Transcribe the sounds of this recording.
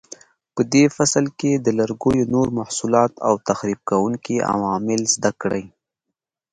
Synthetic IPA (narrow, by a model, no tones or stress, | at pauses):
pəd̪efaslked̪əlaɾɡojonoɾmahsulɑt̪a̰wt̪axɾib̚kawuŋkia̰wɑmɪlzd̪akɽə̰j